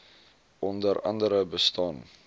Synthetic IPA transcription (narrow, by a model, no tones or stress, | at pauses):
ʔɔndəɾɐ̰ndəɾəbəstɑn